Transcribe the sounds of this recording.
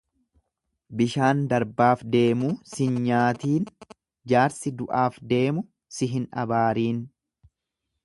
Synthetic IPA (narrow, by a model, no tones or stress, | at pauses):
bɪʃaːnd̪ɐɾbaːfd̪e̞ːmuːsɪnɲaːt̪iːn | d͡ʒaːɾsɪd̪ʊʔaːfd̪e̞ːmʊ | sɪɦɪnʔɐ̰baːɾiːn